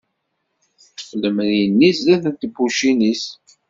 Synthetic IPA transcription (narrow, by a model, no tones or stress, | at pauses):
fləmnjənːisðæðənt̪bːuʃinis